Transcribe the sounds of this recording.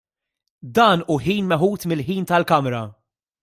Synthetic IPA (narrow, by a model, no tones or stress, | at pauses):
d̪ɐːnuːħiːnmɛħuːt̪mɪlħiːnt̪ɐlkɐmɾɐ